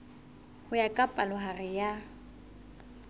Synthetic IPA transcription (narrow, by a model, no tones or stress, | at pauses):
hʊjakʼapʼalʊɦarɪja